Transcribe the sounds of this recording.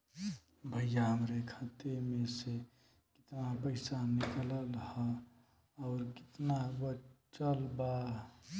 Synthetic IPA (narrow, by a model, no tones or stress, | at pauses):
bʱəjːaɦəmɾekʰat̪emẽse | kɪ̥t̪napəɪsanikələlhə | ɔːɾkɪ̥t̪nabət͡ʃəlba